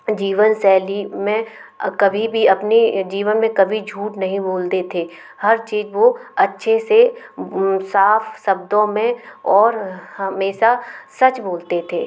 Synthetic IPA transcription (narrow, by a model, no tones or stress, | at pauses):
d͡ʒiːʋənsɛːlimẽ | kɐbʱibʱiɐpnid͡ʒiːʋənmẽkɐbʱid͡ʒʱuːʈnɐɦĩboːlt̪et̪ʰeː | hɐɾt͡ʃiːzʋoɐtːʃʰese | saːfsɐbd̪õmẽɔːɾhɐmeːʃasɐt͡ʃboːlt̪et̪ʰeː